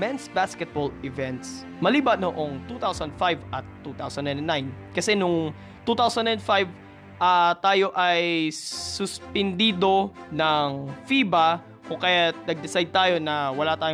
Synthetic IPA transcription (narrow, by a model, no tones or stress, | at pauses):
mɛnsbaskɛt̪̚bolɪvɛnt̪s | mɐliːbɐnoʔoŋt̪ut̪awsɐnd̪̚fajvʔɐt̪ːut̪awsɐ̃nd̪ɐ̃nnajn | kɐsɛnʊŋ | t̪uːt̪awsɐ̃nɐ̃nd̪fajv | ʔat̪aːjo̞ʔɐjsʊspɛnd̪iːd̪o̞nɐŋfiːbɐ | kʊŋkɐjat̪̚nɐɡ̚d̪ɪsajd̪̚t̪aːjo̞nɐwɐlat̪aːj